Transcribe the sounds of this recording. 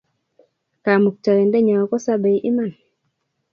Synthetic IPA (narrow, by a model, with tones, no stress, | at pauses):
ka˨mu˨k̚ta˨ɾɛ˨ndɛ˦ɲa˨wɔ˨kɔ˦sa˦be˨jʔi˦ma˦˨n